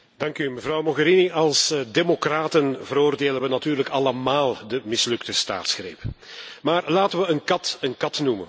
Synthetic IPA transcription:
d̥ɑŋkyməvrɑwmoɣəɾiniʔɑlˠsdemokraːtənvəɾoːrdeːlənʋənɑtyːrləkɑləmaːlˠdəmɪslɵktəsta̰ːtsxrḛːp | maːrlaːtəʋəənkɑtənkɑtnumən

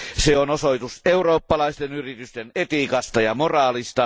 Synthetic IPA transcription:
seonosoit̪useuroːpːɑlɑist̪enyrit̪yst̪enet̪ikɑst̪ɑjɑmorɑːlist̪ɑ

